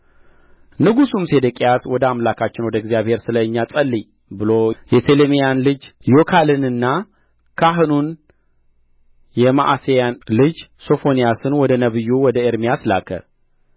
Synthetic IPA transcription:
nɨɡusumse̞d̪əkʼejaswɔd̪əamlakʰat͡ʃːɪnwɔd̪əɡzijaβhe̞ɾsɨləɲːasʼəlːi | bɨlojɛt̪ʰelemijanlɨd͡ʒjokʰalɨnɨnːa | kʰaɦɨnun | jɛma̰ʔasejanlɨd͡ʒso̞fo̞nijasɨnwɔd̪ənəβɨjːuwɔd̪əeɾmijasla̰kʰə̰ɾ

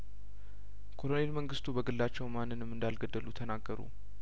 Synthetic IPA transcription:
kʰo̞lone̞lməŋɡɨst̪ʰubəɡɨlːat͡ʃːɛwmanːɨnɨmɨnd̪alɡəd̪ːəlut̪ʰənaɡːəɾṵ

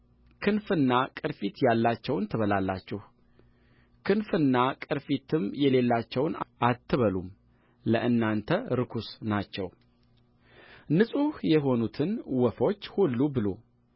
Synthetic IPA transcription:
kʰɨnfɨnːakʼɨɾfit̪jalːat͡ʃːɛwnt̪ʰɨβəlalːa̰t͡ʃːɛh | kʰɨnfɨnːakʼɨɾfit̪ʰɨmjɛle̞lːat͡ʃːɛwnʔat̪ʰːɨβəlum | ləʔɨnːant̪ʰəɾɨkʰusnat͡ʃːɛw | nɨsʼuhjɛɦo̞nut̪ʰɨnwɔfo̞t͡ʃːhulːubɨlo̰

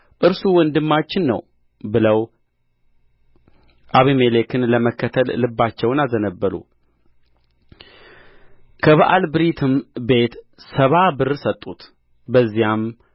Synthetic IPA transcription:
ʔɨɾsuwɔnd̪ɨmːat͡ʃːɪnːə̰w | bɨləw | ʔaβimelekʰɨnləməkːət̪ʰəllɨbːat͡ʃːɛwnazənəbːəɾṵ | kʰəβaʔalbɨɾit̪ʰɨmbe̞t̪ | səβabɨrsət̪ʼːut̪ | bəzːijam

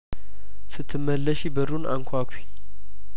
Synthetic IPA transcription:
sɨt̪ʰːɨmːəlːəʃibəɾuna̰ŋkʰʷakʰʷwi̥

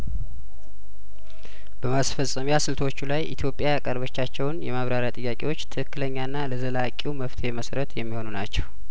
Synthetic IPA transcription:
bəmasfəsʼːəmjasɨlt̪ʰwot͡ʃːulajʔḭt̪ʰjo̞pʼjajakʼərβət͡ʃːat͡ʃːɛwnjɛmaβɾaɾjat̪ʼɨjːakʼe̞wo̞t͡ʃːt̪ʰɨhɨkːɨləɲːanːaləzəlakʼiuməft̪ʰeməsɾət̪jɛmːiho̞nunat͡ʃːɛw

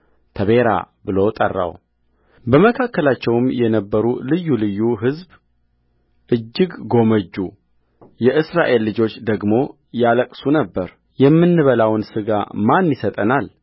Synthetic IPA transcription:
t̪ʰəβe̞ɾa̰bɨlo̞t̪ʼə̰rːa̰w | bəməkʰakːəlat͡ʃːɛwɨmjɛnəbːəɾulɨjːulɨjːuɦɨzb | ʔɨd͡ʒːɨɡɡo̞məd͡ʒːu | jɛʔɨsɾaʔe̞lːɨd͡ʒo̞t͡ʃːd̪əɡmo̞ | jaləkʼsunəbːəɾ | jɛmːɨnːɨβəlawnsɨɡa̰manːisət̪ʼənal

